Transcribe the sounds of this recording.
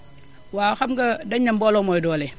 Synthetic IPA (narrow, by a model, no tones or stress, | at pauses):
waːxɐmɡɐdɐɲːambɔlɔmɔjdɔːlɛ